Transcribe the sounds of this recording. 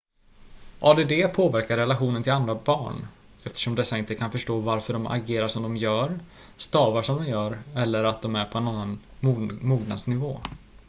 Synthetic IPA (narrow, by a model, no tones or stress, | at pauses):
ʔɑːd̪eːd̪eːpʰoːvæɾkaɾɛlaɧuːnənt̪ʰɪland̪ɾabɑːɳ | ɛft̪ʰə̥ʂɔmd̪ɛsːaɪnt̪əkʰanfœʂʈoːvaɾfœɖɔmʔa̰ɡeːɾaʂɔmd̪ɔmjœːɾ | st̪ɑːvaʂɔmd̪ɔmjœːɾɛlːəɾat̪̚d̪ɔmæɾpʰɔɛnanːanumuːɡ̪na̰d̪snɪvoː